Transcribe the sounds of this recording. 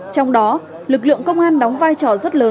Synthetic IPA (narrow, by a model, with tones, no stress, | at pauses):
t͡ɕɔ˧wŋ͡mɗɔ˨˦ | lɨ˨˩k̬̚lɨ̰˧˨əŋkə˧wŋ͡mʔaː˧nɗɔ˨˦wŋ͡mvaː˧jt͡ɕɔ˧˩zə˦˥t̚ləː˨˦